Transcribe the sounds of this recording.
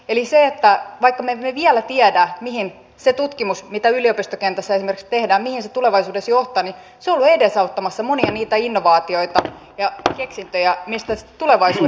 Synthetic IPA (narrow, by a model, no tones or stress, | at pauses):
eliseet̪ːæʋɑikːɑmemeʋiælæt̪iædæːmihin | set̪ut̪kimusmit̪æyliopist̪okent̪æsːæesimerkst̪ehdæːmmihinset̪uleʋɑisuːdesjoht̪ɑni | seolːuedesɑut̪ːɑmɑsːɑmoniɑniːt̪æinːoʋɑːt̪io̞it̪ɑ | jɑkeksint̪øjæmist̪æst̪uleʋɑisuː